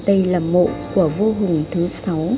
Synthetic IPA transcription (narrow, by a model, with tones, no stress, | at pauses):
ɗə˧jlaː˨˩mo̰˧˨ku˧˩əvo˧ɦʊ˨˩ŋt̪ʰɨ˨˦sa˨˦w